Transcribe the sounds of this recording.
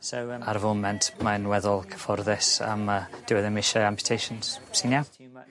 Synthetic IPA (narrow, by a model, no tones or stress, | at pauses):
sowaɾvomɛntʰmanwɛðɔlˠkʰə̥fɔrðɪsa̰məd̥ɪwɛðəmɪʃəampʰj̥tʰejʃənz̥sɪnja